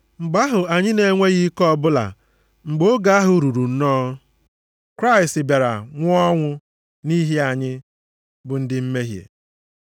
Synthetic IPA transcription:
ŋ͡m̩˨ɡ͡ba˦ɦʊ˨a˨ɲɪ˦ne˨˦ŋʷe˦ɣi˦kɔ˦bʊ˦la̰˨ | ŋ͡m̩˨ɡ͡bo˦ɡa˨a˦ɦʊ˨ɾu˨ɾu˨n̩˦nɔ˦ | kɾa˦ɪ˨stɪ˨ba˨ɾa̰˨ŋʷʊ˦ɔ˦ŋʷʊ˦ | ni˦ɦi˦a˨ɲɪ˦ | bʊ˨n̩˦dɪ˦m̩˦me˦ɦjḛ˨

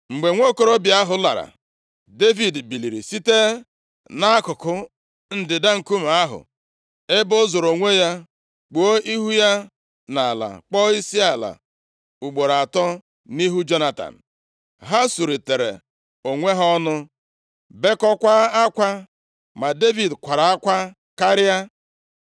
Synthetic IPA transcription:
ŋ͡m̩˨ɡ͡be˨ŋʷo˦˨ko˦ɾo˦bja˦ɦʊ˨la̰˨ɾa̰˨ | de˦vi˨dbi˨li˨ɾḭ˨si˦te˦ | na˦a˦kʊ˨kʊ˦ | n̩˦dɪ˨da˦ŋ̩˨ku˦m̩˨a˦ɦʊ̰˨ | e˦bo˦zo˨ɾo˨ŋʷe˦ja˦ | k͡po˦ʔi˦ɦu˦ja˦ | na˨a˨la̰˨k͡pɔ˦i˦si˦a˨la̰˨ | u˨ɡ͡bo˨ɾa˨tɔ˦ | ni˦ɦu˦d͡ʒo˦na˦ta̰˨n̩˨ | ɦa˦su˨ɾi˨te˨ɾḛ˨ | o˨ŋʷe˦ɦɔ˦nʊ˦ | be˦kɔ˦kʷa˦a˦kʷa˦ | ma˨de˦vi˨dkʷa˨ɾa˨a˦kʷa˦ | ka˦ɾɪ˦a˦

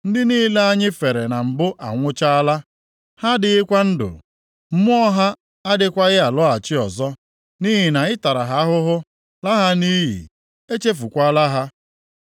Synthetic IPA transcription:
n̩˦dɪ˦niː˦le˦a˦ɲɪ˦fe˨ɾe˨na˨m̩˨bʊ˦ʔa̰˨ŋʷʊ˦t͡ʃa˦la˦ | ha˦dɪ˨ɣɪ˦kʷa˦n̩˦dʊ̰˨ | m̩˦mʊ˦ɔ˦ɦa˦ | a˦dɪ˦kʷa˦ɣɪ˦a˨lɔ˦a˨t͡ʃɪ˦ɔ˨zɔ˦ | ni˦ɦi˨na˨ɪ˦ta˨ɾa˨ɦa˨˦a˦ɦʊ˦ɦʊ˦ | la˦ɦa˦ni˦ɦḭ˨ | e˦t͡ʃe˦fu˨kʷa˦la˦ɦa˦

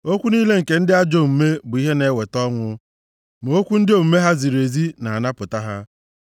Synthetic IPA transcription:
o˦kʷu˦niː˦le˦ŋ̩˨ke˨n̩˦dɪ˦a˦d͡ʒo˦m̩˨me˦bʊ˨i˦ɦe˦ne˨˦we˨tɔ˦ŋʷʊ˦ | m˨o˦kʷu˦n̩˦dɪ˦o˨m̩˨me˦ɦa˦zi˨ɾe˨zi˦na˨a˨na˦pʊ˨ta˦ɦa˦

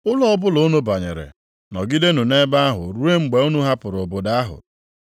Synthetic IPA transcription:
ʊ˦lɔ˦ɔ˦bʊ˦lʊ˨˦nu˦ba˨ɲe˨ɾḛ˨ | nɔ˨ɡi˦de˦nu˨ne˦ba˦a˦ɦʊ̰˨ɾu˦e˦ŋ͡m̩˨ɡ͡be˨u˦nu˦ɦa˦pʊ˨ɾʊ˨bo˨da˦ɦʊ̰˨

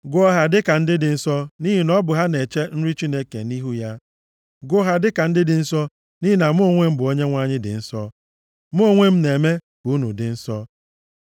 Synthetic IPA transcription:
ɡʊ˦ɔ˦ɦa˨dɪ˦ka˨n̩˦dɪ˦dɪ˨n̩˦sɔ˦ni˦ɦi˨nɔ˦bʊ˨ɦa˦ne˨t͡ʃe˦n̩˦ɾi˦t͡ʃi˦ne˦kḛ˨ni˦ɦu˦ja˦ | ɡʊ˦ɦa˨dɪ˦ka˨n̩˦dɪ˦dɪ˨n̩˦sɔ˦ | ni˦i˦na˨m˦o˦˨ŋʷe˦m̩˦bʊ˨o˦ɲe˦ŋʷa˦ɲɪ˦dɪ̰˨n̩˦sɔ˦ | m˦o˦ŋʷe˦m̩˦ne˨me˦ | bu˨˦nu˨dɪ˨n̩˦sɔ˦

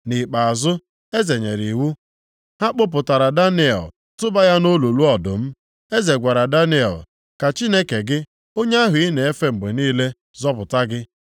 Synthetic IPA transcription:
ni˨k͡pa˨a˨zʊ˦ | e˦ze˨ɲe˨ɾi˨wu˦ | ha˦k͡pʊ˦p̬ʊ˨ta˨ɾa˨da˦nɪ˦ɛ̰˨l | tʊ˦ba˦ja˦no˦lo˨lu˦ɔ˨dʊ˨m̩˦ | e˦ze˨ɡʷa˨ɾa˨da˦nɪ˦ɛ̰˨l | ka˨t͡ʃi˦ne˦ke˨ɡɪ˦ | o˦ɲe˦a˦ɦʊ˨i˦ne˨e˦fe˦ŋ͡m̩˨ɡ͡be˨niː˦le˦ | zɔ˦pʊ˨ta˦ɡɪ˦

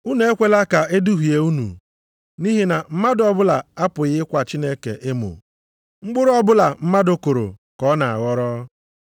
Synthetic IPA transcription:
u˦ne˨e˦kʷe˦la˦ka˨e˦du˦ɦu˨je˨u˦nṵ˨ | ni˦ɦi˦na˨m̩˦ma˦dɔ˨bʊ˦la˨a˦pʊ˨ɣɪ˦kʷa˨t͡ʃi˦ne˦kḛ˨ʔɪ˦mʊ̰˨ | ŋ͡m̩˦ɡ͡bʊ˦ɾʊ˦ɔ˦bʊ˦la˨m̩˦ma˦dʊ˨kʊ˨ɾo̰˨kɔ˦na˨a̰˨ɣɔ˦ɾɔ˦

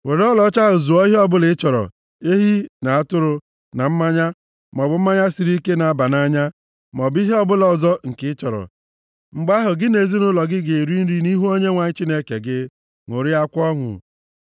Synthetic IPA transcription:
we˨ɾɔ˦lɔ˦t͡ʃa˦ɦʊ˨zu˨ɔ˦ɦɔ˦bʊ˦lɪ˦t͡ʃɔ˨ɾɔ̰˨ | e˦ɦi˦na˨a˦tʊ˦ɾʊ˨ | na˨m̩˦ma˦ɲa˦ | m˨ɔ˨bʊ˨m̩˦ma˦ɲa˦si˨ɾi˦ke˦na˨a˦ba˨na˦ɲa˦ | m˨ɔ˨bi˦ɦi˦ɔ˦bʊ˦lɔ˨zɔ˦ŋ̩˨kɪ˨˦t͡ʃɔ˨ɾɔ̰˨ | ŋ͡m̩˨ɡ͡ba˦ɦʊ˨ɡɪ˦ne˨zi˦nʊ˦lɔ˨ɡɪ˦ɡe˨e˨ɾi˦n̩˦ɾi˦ni˦ɦu˦o˦ɲe˦ŋʷa˨ɲ˦t͡ʃi˦ne˦kḛ˨ɡɪ˦ | ŋʷo˨ɾi˦a˦kʷɔ˦ŋʊ̰˨

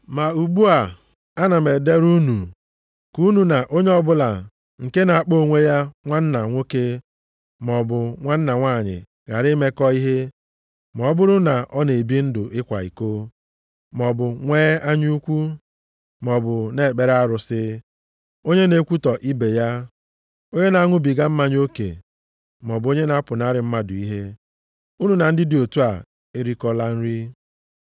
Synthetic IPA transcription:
ma˨u˨ɡ͡bu˦a˨ | a˦na˨me˨de˦ɾu˦nu˨ | ku˦nu˨na˨ʔo˦ɲe˦ɔ˦bʊ˦la˨ | ŋ̩˨ke˦na˨a˨k͡po˦˨ŋʷe˦ja˦ŋʷa˦n̩˦na˨ŋʷo˦ke˦ | m˨ɔ˨bʊ˨ŋʷa˦n̩˦na˨ŋʷaː˦˨ɲɪ̰˨ | ɣa˨ɾɪ˦me˦kɔ˦i˦ɦe˦ | m˨ɔ˨˦bʊ˦ɾʊ˦na˨ʔɔ˦ne˨bi˦n̩˦dʊ˨ʔɪ˦kʷa˨ḭ˨ko˦ | mɔ˨bʊ˨ŋʷeː˦a˦ɲ˦u˦kʷu˦ | m˨ɔ˨bʊ˨ne˦˨k͡pe˨ɾa˦ɾʊ˨sɪ˦ | o˦ɲe˦ne˦kʷu˦tɔ˨ʔi˦be˨ja˦ | o˦ɲe˦na˨a˦ŋʷʊ˦bi˨ɡa˦m̩˦ma˦ɲ˦o˦kḛ˨ | m˨ɔ˨bo˦ɲe˦na˦pʊ˨na˦ɾɪ˨m̩˦ma˦dʊ˨i˦ɦe˦ | u˦nu˨na˨n̩˦dɪ˦dɪ˨o˨tu˦a˨ | e˦ɾi˦kɔ˦la˦n̩˦ɾi˦

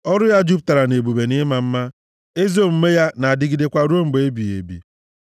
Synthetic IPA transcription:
ɔ˦ɾʊ˦ja˦d͡ʒu˦p̚ta˨ɾa˨ne˨bu˨be˨nɪ˦ma˨m̩˦ma˦ | e˦zo˦˨m̩˦me˦ja˦na˨a˨dɪ˦ɡi˦de˦kʷa˦ɾu˦o˦ŋ͡m̩˨ɡ͡be˨e˦bi˨ḛ˨bḭ˨

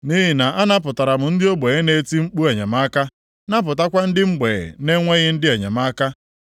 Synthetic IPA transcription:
ni˦ɦɪ˨na˨ʔa˦na˦p̬ʊ˨ta˨ɾa˨m̩˨n̩˦dɪ˦o˦ɡ͡be˨ɣe˦ne˨˦ti˦ŋ͡m̩˦k͡pu˦a˨ɲa˨ma˦ka˦ | na˦p̬ʊ˨ta˦kʷa˦n̩˦dɪ˦ŋ͡m̩˦ɡ͡bḛ˨ne˦ŋʷe˦ɣɪ˦n̩˦dɪ˦a˨ɲa̰˨ma˦ka˦

